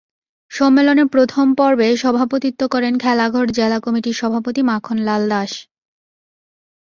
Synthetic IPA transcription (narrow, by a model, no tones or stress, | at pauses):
ʃɔmːeloneɾpɾot̪ʰompɔɾbeʃɔbʱapot̪it̪ːokɔɾenkʰɛlaɡʱoɾd͡ʑelakomiʈiɾʃɔbʱapot̪imakʰonlald̪aʃ